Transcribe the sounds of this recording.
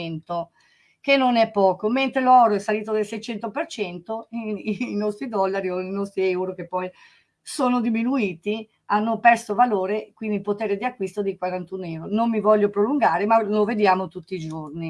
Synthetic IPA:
nt̪o | kenːonɛpːɔːkoment̪ɾelɔɾoɛsːaliːt̪̬od̪elsɛjt͡ʃɛnt̪opert͡ʃɛnt̪oinɔst̪ɾid̪ɔlːaɾioinɔst̪ɾiɛwɾokepːɔj | soːnod̪iminuiːt̪i | anːopɛrsovaloːɾekwind̪ilpot̪eːɾed̪iakːwist̪od̪ikwaɾant̪unɛwɾonomːivɔʎːopɾoluŋɡaːɾemaloved̪jaːmot̪ut̪ːiːd͡ʒorni

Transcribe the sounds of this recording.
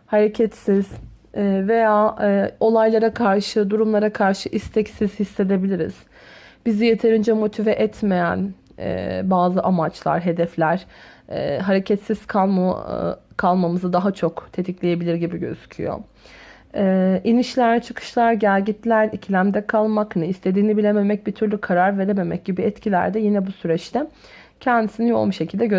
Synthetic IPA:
haɾe̞cʰɛt̪siz̥ː | ve̞jaːo̞lˠajlˠaɾakʰaɾʃɯd̪uɾumlˠaɾakʰaɾʃɯʔist̪ʰɛcsiz̥hisːe̞d̪e̞bilʲiɾḭz̥ | b̥izije̞t̪ʰe̞ɾind͡ʒɛmo̞t̪ʰivɛʔɛt̪ʰme̞jæ̰n | ɛ̰ːbaːzɯʔamat͡ʃlˠa̰ɾɦe̞d̪ɛflʲæɾ̥ɛːɦaɾe̞cʰɛt̪siz̥kʰa | kʰalˠmamɯzɯd̪aɦat͡ʃʰo̞kt̪ʰe̞t̪ʰiclʲeje̞bilʲiɾɟibiɟø̰z̥y̥cʰy̰jo̞̰ | ɛʔiniʃlʲæɾt͡ʃʰɯkʰɯ̥ʃlˠaɾɟæɾɟit̪lʲæɾicʰilʲæmd̪ɛkʰalˠmaknɯist̪ʰe̞d̪iːnibilʲeme̞mɛc̚bit̪ʰyɾlʲykʰaɾaɾve̞ɾeme̞mɛ̰c̚ɟibiɛt̪cʰilʲæ̰ɾd̪ɛjinɛbusyɾɛt͡ʃt̪ʰɛ | cʰɛnd̪isinijo̞̰lˠmuʃecʰilʲd̪ɛɟø

